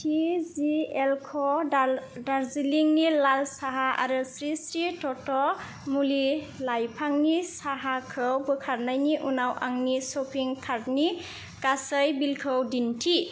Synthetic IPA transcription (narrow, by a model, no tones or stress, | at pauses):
tʰizielkʰɔ | daɾziliŋnilalsaɦaʔa̰ɾɯsɾisɾitɔtɔ | muli | lajpʰaŋnisaɦakʰɯwbɯkʰaɾnajniʔunawʔa̰ŋnisopʰiŋkʰaɾni | kasəjbilkʰɯwdintʰi